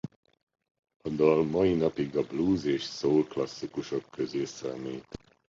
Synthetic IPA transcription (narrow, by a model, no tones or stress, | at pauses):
ɒd̪ɒlmɒinɒpiɡɒbluːzeːʃsoːlklɒsːikuʃo̞kːøzeːsɛmeːt̪